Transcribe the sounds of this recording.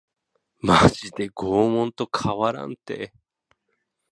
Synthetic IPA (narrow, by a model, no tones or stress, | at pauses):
mad͡ʑid̪e̞ɡoːmõ̞nt̪o̞kʰaβaɾã̰nt̪ḛ